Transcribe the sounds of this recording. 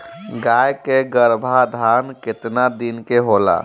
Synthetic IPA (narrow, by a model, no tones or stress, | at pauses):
ɡajkeɡəɾbʱad̪ʱanket̪nad̪inkeɦola̰